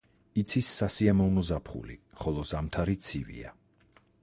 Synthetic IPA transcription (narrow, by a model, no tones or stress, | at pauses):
it̪sʰisːasiamɔvnɔzapʰχṵlḭ | χɔlˠɔzamt̪ʰaɾit̪sʰivḭa̰